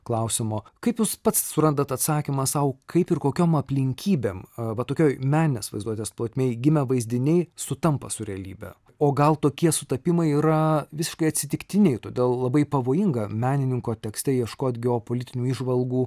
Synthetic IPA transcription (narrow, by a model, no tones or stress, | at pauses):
klˠɐʊsʲɪmoːkɐɪpjuːspɐt̪ssʊɾɐnd̪ɐt̪ɐt̪sɑːkʲɪmɐsɐʊkʰɐɪpɪrkoːkʲoːmɐpʲlʲɪŋʲkʲʰiːbʲemʋɐt̪oːkʲoːjmʲæːnʲɪnʲesʋɐ̰ɪzd̪uɔt̪ʲeːsplˠoːt̪ʲmʲɛɪɡʲɪmʲɛʋɐɪzʲd̪ʲɪnʲɛɪsʊt̪ɐmpɐ̰sʊɾʲɛɐlʲiːbʲɛ̰ | oːɡɐlˠt̪oːkʲiɛsʊt̪ɐpʲɪmɐɪiːɾɐʋʲɪsʲɪʃkɐɪɐt̪ʲsʲɪt̪ʲɪkt̪ʲɪnʲɛɪt̪oːd̪ʲeːlˠlˠɐbɐɪpɐʋoːjɪŋɡɐmʲæːnʲɪnʲɪŋkoːt̪ʲɛksʲt̪ʲɛjiɛʃkoːt̪ɡʲɛoːpoːlʲɪt̪ʲɪnʲuːiːʒʋɐlˠɡuː